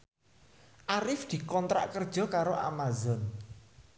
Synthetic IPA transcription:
ʔaɾɪfd̪̥i̤kɔnt̪ɾa̰ʔkərd̥ʒ̥ɔ̤kaɾoʔa̰mazɔn

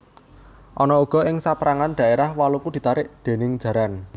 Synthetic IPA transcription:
ʔɔnɔuɡ̥ɔ̤ɪŋsapɾaŋanɖ̪̥ä̤ʔeɾahwalukud̪̥i̤t̪aɾɪʔd̪̥e̤nɪŋd̥d͡ʒ̥ä̤ɾan

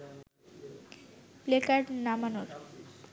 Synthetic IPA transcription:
plekaɾɾnamanoɾ

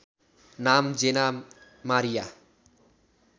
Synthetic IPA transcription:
namd͡zena | maɾija

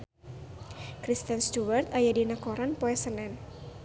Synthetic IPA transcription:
kɾist̪ənst̪uwart̪ajadinakɔɾanpɔɛsənɛn

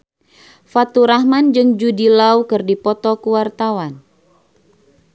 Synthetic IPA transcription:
fat̪uɾahmand͡ʒɨŋd͡ʒudilaukɨrdipɔt̪ɔkuwart̪awan

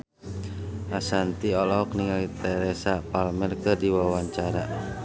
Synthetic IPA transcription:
ʔasant̪iɔlɔɔkniŋalit̪ɛɾɛsapalmɛrkɨrdiwawaɲt͡ʃaɾa

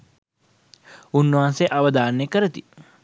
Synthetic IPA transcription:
unːəʋanseʔaʋɐd̪aːnːekəɾət̪i

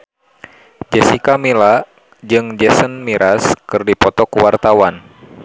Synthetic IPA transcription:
d͡ʒɛsikamila | d͡ʒɨŋd͡ʒɛsənmiɾʔaskɨrdipɔt̪ɔkuwart̪awan

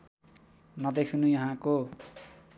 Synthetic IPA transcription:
nʌd̪ekʰunujʌɦãko

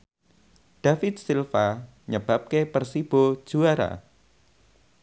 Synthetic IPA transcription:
ɖ̥afɪt̪̚silfa | ɲəb̥ap̚kepərsib̥o̥d͡ʒ̥uaɾa̰

